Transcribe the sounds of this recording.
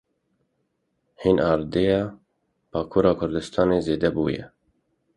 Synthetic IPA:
hiːnɑːɾd̪eːjɑː | b̥ɑːkʰuːɾɑːkʰʊɾd̪ɨst̪ʰɑːneːzeːd̪ɛbṵːjɛ̰

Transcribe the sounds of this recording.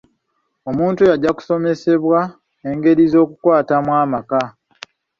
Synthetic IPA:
o̞muːntujaɟːaku̥so̞me̞se̞βwa | e̞ŋɡe̞ɾizo̞ːkukwaːtamwaːmaka

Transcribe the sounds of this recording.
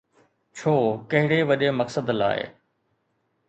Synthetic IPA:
t͡ɕʰoːkɐɦɪɽeʋɐɗemɐksəd̪la̰ːḛ

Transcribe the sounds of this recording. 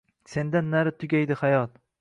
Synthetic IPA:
se̞nd̪anːaɾɪt̪ʰʊɡʲajd̪ɪhajɒt̪

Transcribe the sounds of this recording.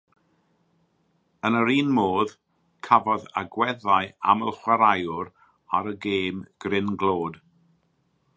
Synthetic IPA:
ənəɾiːnmoːð | kʰavɔða̰ɡwɛðaɨa̰məlˠχwaɾajʊɾ | aɾəɡeːmɡ̥rɪnɡloːd̥

